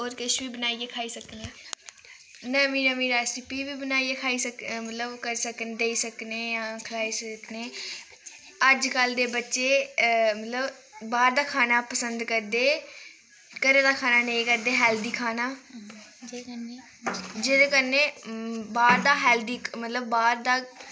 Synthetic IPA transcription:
oːɾkɪʃʋiːbənaːieːkʰaːiːsəkneː | nəmiːɾəmĩːɾɛːsɪpiːʋiːbənaːieːkʰaːiːsəkmət̪ləbkəɾsəknd̪eːiːsəkneːjãːkʰəlaːiːsəkneː | əd͡ʒkəld̪eːbətːʃeːmət̪ləb | baːɾd̪aːkʰaːnaːpəsənd̪kəɾd̪eː | kəɾeːd̪aːkʰaːnaːneikəɾd̪eːɦɛːld̪iːkʰaːnaː | d͡ʒeːd̪ːkəneːbaːɾd̪aːɦɛːld̪iːmət̪ləbːaːɾd̪aː

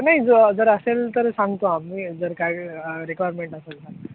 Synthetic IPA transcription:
naɦid͡zod͡zəɾəselt̪əɾsãŋɡt̪oamiːd͡zəɾkajɾekʋajaɾmeɳʈəselsa

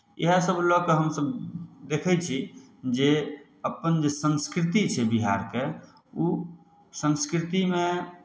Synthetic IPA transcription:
eɦesəblɔkeɦəmsəbd̪ekʰɛt͡ʃʰi | d͡ʒe | əpənd͡ʒesənskɾit̪it͡ʃʰɛbiɦa̰ɾke | u | sə̃nskɾit̪ime

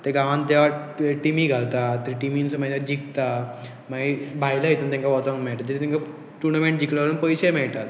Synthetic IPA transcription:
t̪eɡãʋãnt̪eʋaʈimiɡʱalt̪at̪əɾiʈiminsəməjnad͡ʑikt̪a | maɡibʱajləɦit̪unt̪ẽŋkaʋɔt̪ammɛɭt̪at̪d͡ʑit̪et̪ẽŋka | ʈuɾnamẽɳʈ̚d͡ʑikləʋəɾənpəjɕemɛɭt̪at̪

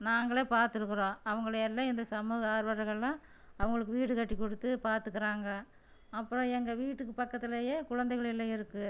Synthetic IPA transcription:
naːŋɡɐɭeːpaːɾt̪ɯɾɯkːɯɾõːɐʋɐŋɡɐɭɯɛlːaːɪnd̪ɐsɐmuːɣɐaːɾʋɐɾɐɾɣɐɭlãː | ɐʋɐŋɡɐɭɯk̬ːɯʋiːʈːɯkɐʈːikːɔɽɯt̪ːɯpaːɾt̪ɯkːɐɾaːŋɡɐ | ɐpːɯɾõɛŋɡɐʋiːʈːɯkːɯpɐkːɐt̪ːɪlejeːkʊɻɐnd̪ɛɪɣɐɭɪlːɐɪɾɯkːɯ

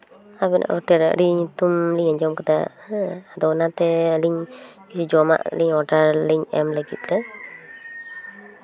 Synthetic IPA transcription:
abina̰ʔɔʈɛɾ̰ɾiɲt̪umliɲaɲd͡ʒɔmkat̪a | ad̪ɔnat̪ɛəliɲkisud͡ʒɔma̰ʔliɲɔʈaɾliɲɛmləɡit̪̚ˀlɛ

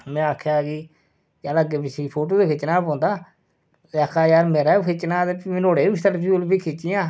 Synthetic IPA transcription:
mɛ̃ːaːkʰːjaːkiː | d͡ʒaːləɡeːpɪsiːpʰoːʈoːd̪eːkʰɪt͡ʃnaːpõːnd̪aː | akʰaːjaːɾmeːɾaːkʰɪt͡ʃnaːt̪epːnoːɽeːʊst̪əɾpʰiʊlpiːkʰɪt͡ʃɪjãː

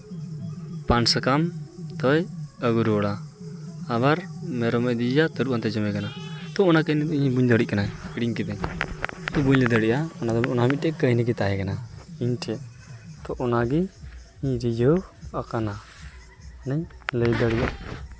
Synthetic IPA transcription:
pansakamt̪ɔjəɡuɾɔɽaː | βaɾmɛɾɔmɛʔd̪id͡ʒat̪əɾuʔant̪ɛd͡ʒɔmɛkanat̪ɔɔnakəjnɛiɲbuɲd̪ɔɽic̚kanaɛkiɽiɲkɛd̪ɛɲt̪ɔbuɲlɛd̪əɽiʔaɔnad̪ɔbɔnaɦmit̪̚tɛkəjnɛɡɛt̪aɦɛkanaiɲʈʰɛʔ | t̪ɔʔɔnaɡi | iɲɾid͡ʒɔakana | nəɲləjd̪əɽiʔaʔ

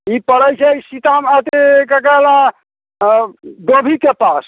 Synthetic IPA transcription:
ipəɽəjt͡ʃʰɛisit̪amət̪ekəkala | ɖ̪obʱikepas

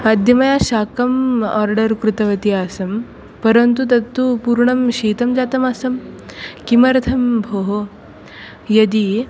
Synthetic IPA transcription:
mad̪ʱjɐmɐjaɕaːkɐmɔɾɖɐɾkɾut̪ɐʋɐt̪iaːsɐm | pɐɾɐnt̪ut̪̬ɐt̪ːupuːɾɳɐmɕiːt̪ɐmd͡ʑaːt̪ɐmasɐmkimɐɾɐt̪ʰɐmbʱoɦo | jɐd̪i

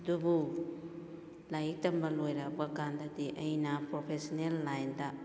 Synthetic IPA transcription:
dubu | lajik̚tɐmbɐlojɾabakandɐdiʔɐjnɐpɾopʰesonelːajnda

